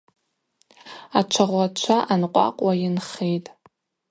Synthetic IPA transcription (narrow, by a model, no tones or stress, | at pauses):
at͡ʃʷʰaʁʷat͡ʃʷʰaʔanqʷʼa̰qʷʼwajɪnχejtʼ